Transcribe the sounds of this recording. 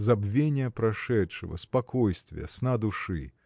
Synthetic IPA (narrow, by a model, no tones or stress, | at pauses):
zabvʲenʲɪjɐpɾaʂɛtʂɨvɐ̰spakɔjst̪vʲjɛ̰snad̪uʂɨ